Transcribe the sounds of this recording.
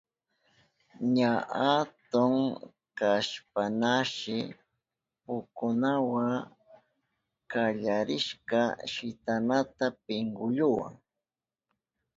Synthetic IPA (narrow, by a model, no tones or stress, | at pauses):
ɲaat̪ʊŋ | kaʃpanaʃɪ | pʊkʊnawa | kaʎaɾɪʃkaʃɪt̪anat̪apɪŋɡʊʎʊwa̰ŋ